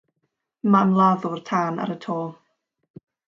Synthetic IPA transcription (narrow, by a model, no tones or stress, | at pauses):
mamlˠaðʊrtʰaːna̰ɾətʰɔːlˠ